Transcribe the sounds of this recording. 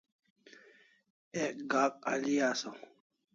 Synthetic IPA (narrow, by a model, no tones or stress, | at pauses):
ɛɡak̚ʼa̰lijaːsaw